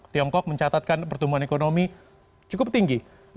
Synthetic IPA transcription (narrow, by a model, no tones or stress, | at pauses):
t̪iɔŋkɔk̚məɲt͡ʃat̪at̪̚kanpərt̪umuɦanekonomi | t͡ʃukʊp̚t̪iŋɡi